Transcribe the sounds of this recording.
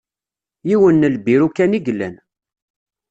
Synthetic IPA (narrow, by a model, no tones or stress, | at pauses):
jiwənːəlbiɾukːæniɡlːæ̰n